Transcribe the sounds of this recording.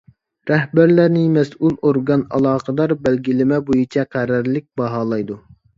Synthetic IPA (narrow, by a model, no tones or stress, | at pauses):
ɾɛɦbæɾlæɾnɪmɛsulˠoɾɡɑnɑ̰lˠɑːqəd̪ɑɾbɛlɡʲilɪmɛbojit͡ʃʰɛqʰæɾæɾlɪk̚ʲbɑɦɑːlˠɑjd̪u